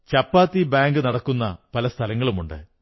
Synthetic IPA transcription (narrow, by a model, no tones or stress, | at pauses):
t͡ɕɐpːaːt̪ːibaːŋɡɨnɐɽɐkːunːɐ̰pɐlɐst̪ʰɐlɐŋːɐɭumuɳɖɨ̰